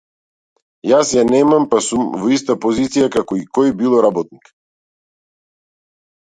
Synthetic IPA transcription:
jasjanɛmampasumvɔist̪apɔzit̪sijakakɔikɔjbilˠɔɾabɔt̪̚nik

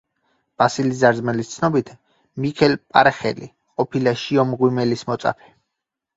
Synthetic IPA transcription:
b̥asilizaɾdzmɛlist̪sʰnɔbit̪ʰ | mikʰɛlpʼa̰ɾχɛ̰lḭ | qʼɔpʰilaʃiɔmʁwimɛlismɔt̪sʼa̰pʰɛ̥

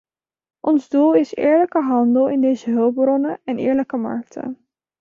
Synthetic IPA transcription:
ʔɔnzdulˠɪsɪ̰ːɹləkəɦɑndəlˠɪndejzəɦɵlˠb̚brɔnəɛnɪːɹləkəmɑ̰ɹk̚tʰə̰

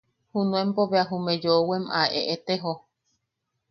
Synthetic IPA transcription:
hunũempoβeaɦumed͡ʒowemaʔeʔet̪eɦo

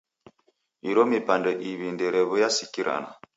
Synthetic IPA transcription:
iɾɔmipandɛʔiβindɛɾɛβɔjasikiɾʔa̰na̰

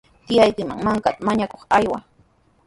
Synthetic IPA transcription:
t̪ɪjajkɪma̰ŋmaŋkat̪amaɲakoχajwa

